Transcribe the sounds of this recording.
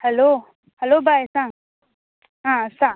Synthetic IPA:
hɛlo | hɛlobʱajsãŋ | ɦãsãŋ

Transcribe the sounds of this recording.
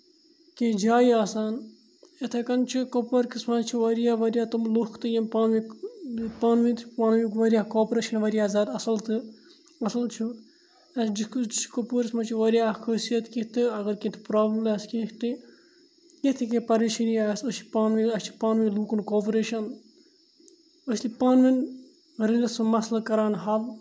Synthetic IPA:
ked͡ʒaːiaːsaːn | et̪ʰɐkɐnt͡ʃʰikopɐɾkismɐt͡ʃʰiʋɐɾjaːʋɐɾjaːt̪umlukʰt̪ɨjɐmpaːnʋi | paːnʋit̪paːnʋikʋɐɾijaːkoːpɾeːʃɐnʋɐɾijaːzaːd̪ɐsɐlt̪ɨ | ɐsɐlt͡ʃʰu | ɐd͡ʒid͡ʒiʃkopuɾsmɐt͡ʃʰiʋɐɾijaxəsijɐt̪kit̪ɨɐɡɐɾkit̪ʰi̥pɾaːbləmlɐskikʰt̪ɨ | ket̪ʰikepɐɾiʃinijasɐsipaːnʋiɐst͡ʃʰipaːnʋiluːkunkoːpɾeʃɐn | ɐslipaːnʋin | ɾilɐsɨmɐslɐkɐɾaːnɦɐʋ

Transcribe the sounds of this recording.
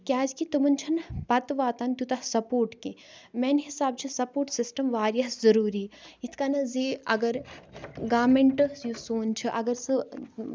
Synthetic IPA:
kʲaːd͡ʒkit̪umɐnt͡ʃʰɐnpɐt̪ʋaːt̪aːnt̪ʲut̪ɐsɐpoːɾʈkimeːnɦisaːb̚t͡ʃʰisɐpoːʈsisʈɐmʋaːɾjɐɦzɐɾuːɾiːit̪ʰkanɐziːɐ̰ɡɐɾɡaːmeɳʈjusoːnt͡ʃʰiʔɐɡəɾsɨ

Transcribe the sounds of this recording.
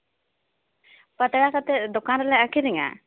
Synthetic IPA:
pət̪ɛɽakat̪ɛd̪ɔkanɾɛlɛakʰiɾɛŋa̰

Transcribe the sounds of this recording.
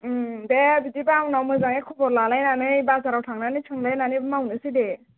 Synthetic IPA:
debitipanawmɯzaŋekʰubɔɾlalajnanɯjbasaɾawtʰaŋnanɯt͡ʃʰɯŋlajnanimawnɯside

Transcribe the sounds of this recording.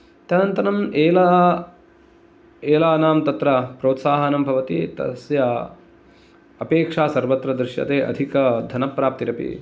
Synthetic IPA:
t̪jɐnɐnt̪ɐnɐmeːla | eːlaːnaːmt̪ɐt̪ɾɐpɾoːt̪saːɦɐnɐmbʱɐʋɐt̪it̪ɐ̰sjɐ | ɐpeːkʂaːsɐɾʋɐt̪ɾɐd̪ɾɪʃjɐ̰t̪eːʔɐ̰d̪ʱikɐd̪ʱɐnɐpɾaːp̚t̪iɾɐpḭ

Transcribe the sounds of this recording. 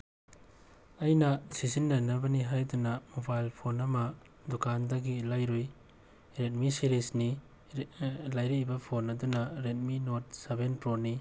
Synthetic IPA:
ɐjnɐsizinːɐnɐbɐniɦajdunɐmobajlpʰonɐmɐ | dukʰandɐɡilajɾoj | ɾet̚misiɾisni | lajɾibɐpʰonːɐdunɐɾet̚minot̚sebenpɾoni

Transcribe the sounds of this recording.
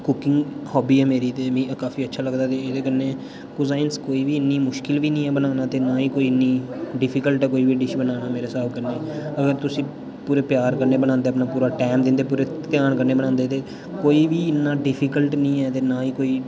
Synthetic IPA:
kʊkɪŋɡhɔːbiːɛːmeːɾiːt̪eːmĩːkaːfiːətːʃʰaːləɡd̪aːt̪eːeːd̪eːkəɾneː | kʊzaːɪnskoːiːʋiːɪnːiːmʊʃkɪlʋiːnĩːɛːbənaːnaːt̪eːnaːiːkoːiːɪnːiː | ɖɪpʰiːkəlʈɛːkoːiːʋiːɖɪʃbənaːnaːmeːɾeːsaːbkəɾneːəɡəɾt̪ʊsĩː | puːɾeːpjaːɾkəɾneːbənãːnd̪eːpnaːpuːɾaːʈɛːmd̪ɪ̃nd̪eːpuːɾeːt̪ɪjaːnkəɾneːbənãːnd̪eːt̪eː | koːiːʋiːɪnːãːɖɪpʰiːkəlʈnĩːɛːt̪eːnaːiːkoːiː

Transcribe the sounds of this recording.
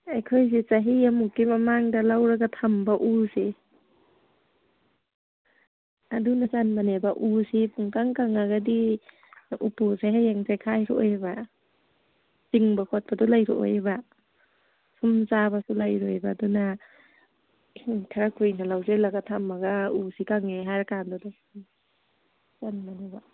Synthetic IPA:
ajkʰojs̬it͡ʃaɦiamukːimamaŋdalawɾaɡatʰambaʔuse | adunazanmanebaʔusipʰuŋkaŋkaŋaɡadi | upuseɦajaŋsajkʰajɾɔojba | ziŋbakʰɔt̚padɔlajɾɔʔo̰jba | sʰumzabasulajɾojbaːduna | kʰaɾakʰujnalawzelaɡatʰamːaɡausikaŋeɦajɾakandɔdɔ | zanmaneba

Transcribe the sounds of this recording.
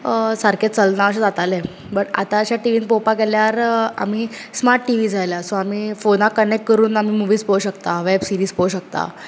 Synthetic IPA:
səɾkẽt͡səlnaəɕ̬ẽd͡zat̪alɛ̃ | bəʈa̰t̪ãəɕaʈiʋiːnpopakɛljaɾa̰m̤iːsmaɾʈʈiʋiːd͡zʱajlasoamiːfonakənek̚ʈ̚kəɾuːnam̤iːmuʋiːspowɕəkt̪aʋɛbsiɾiːspouɕək̚t̪a̰

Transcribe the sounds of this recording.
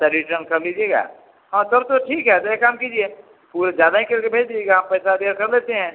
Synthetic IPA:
sɐɾiʈənkɐɾlid͡ʒieɡa̰ː | hãːd̪əɾt̪oʈʰiːkɦɛt̪ojekaːmkiːd͡ʒie | puːɾed͡ʒjaːd̪aɦĩkɐɾkebʱeːd͡ʒlieɡaɦɐmpɛːsab̪ijaɾkɐɾleːt̪eɦɛ̃ː

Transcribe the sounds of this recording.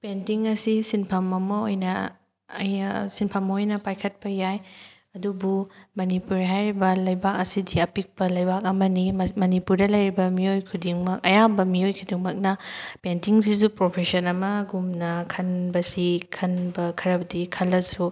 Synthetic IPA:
pentiŋɐsisinpʰɐmɐmɐojnɐ | ɐ̰jsinpʰɐmːɐojnɐpajkʰɐt̚pɐjaj | ɐdubumɐnipuɾɦajɾibɐlɐjbak̚ɐsidiɐpik̚pɐlɐjbak̚ɐmɐnimɐnipuɾdɐlɐjɾibɐmiojkʰudiŋmɐk̚ɐ̰jabɐmiojkʰudiŋmɐk̚nɐpentiŋsis̬upɾopʰesɐnɐmɐɡumnɐkʰɐnbɐsikʰɐnbɐkʰɐɾɐbɐdikʰɐlːɐsu

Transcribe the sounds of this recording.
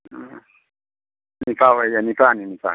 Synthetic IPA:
nipawɛjanipaninipa̰

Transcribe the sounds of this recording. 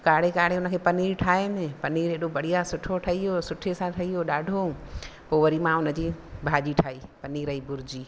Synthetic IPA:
kaːɽekaːɽ̤eʊnəkʰeːpɐniːɾʈʰaːemẽpɐniːɾɦeɗobɐɽ̤ijasʊʈʰoʈʰɐɦiɦosʊʈʰesãʈʰɐiɦoɗaːɖʱõpoːʋəɾimãʊnəd͡ʑiːbʱaːʄiʈʰaːiːpɐniːɾɐɦibʊɾd͡ʑiː

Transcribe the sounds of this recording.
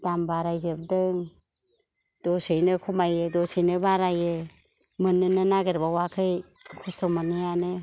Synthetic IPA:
d̥ambaɾajzɯb̚dɯŋ | d̥ɔsɯjnɯkʰumajɯdɔsejnɯbaɾajɯ | mɯnːɯnɯnaɡeɾbawakʰɯj | kʰɔsawmanɯjanɯ

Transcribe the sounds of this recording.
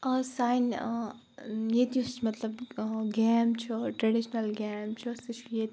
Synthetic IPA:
ɐsaːjn | jet̪ijust͡ʃʰmɐt̪lɐbɡeːmt͡ʃʰɔʈɾɐɖiʃnɐlɡeːmt͡ʃʰɔsit͡ʃʰjet̪

